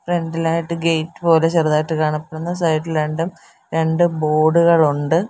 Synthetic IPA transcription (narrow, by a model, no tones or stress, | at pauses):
fre̞ɳɖilaːjiʈːɨɡejʈːɨ̥po̞ːlet͡ɕeruðaːjiʈːɨkaːɳɐpːeɽunːɐsɐjiʈːileɳɖum | ɾe̞ɳɖɨbo̞ːɽuɣɐɭuɳɖɨ